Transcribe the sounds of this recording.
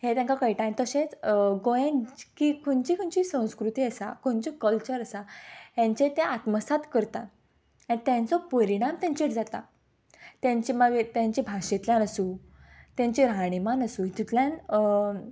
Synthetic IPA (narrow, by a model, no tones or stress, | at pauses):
het̪jãŋkakəiʈãj̃t̪əɕẽt͡sɡojẽnt͡ɕkikʰoɳt͡ɕikʰuɳt͡ɕisə̃w̃skɾut̪iːəsa̰kõɳt͡ɕikəlt͡ɕəɾəsaɦjãɲt͡ɕet̪eat̪məsat̪kəɾt̪a | anit̪jãnt͡sɔpəɾiɽ̃amt̪ãɲt͡ɕeʈd͡zat̪a̰ | t̪jãɲt͡ɕiməɡt̪jãɲt͡ɕibʱaɕet̪ljãnəsũ | t̪ãɲt͡ɕĩɾaɽ̃imanəsuːit̪it̪ljãn